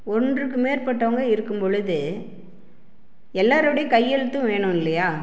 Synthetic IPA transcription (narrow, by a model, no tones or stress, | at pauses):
ɔndrɯkːɯmeːɾpɐʈːɐʋɐŋɡɐɪɾɯkːɯmpɔɻɯðɯ | ɛlːaːɾɐʋɐɽɐjɐkɐjːɛɻɯt̪ːɯ̃ʋeːɳɯ̃mɪlːɐjaː